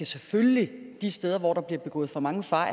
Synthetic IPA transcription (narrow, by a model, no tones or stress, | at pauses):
æsefølli | d̥isd̥eːð̞ˠɐʋɒ̰ɾ̥ɑ̈b̥liɐb̥e̝ɡ̥ɔ̰ːð̩ˠfɒ̽mɑ̈ŋəfɑ̈